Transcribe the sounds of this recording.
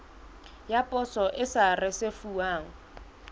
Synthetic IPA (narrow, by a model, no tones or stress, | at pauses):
japʼɔsɔʔɪsarɪsefuaːŋ̩